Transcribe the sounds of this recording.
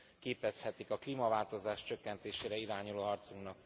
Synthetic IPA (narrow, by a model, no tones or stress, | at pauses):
keːpɛshɛt̪ikɒkliːmɒvaːlt̪o̞zaːʃt͡ʃø̞kːɛnt̪eːʃeːɾɛiɾaːɲuloːɦɒrt̪suknɒk̚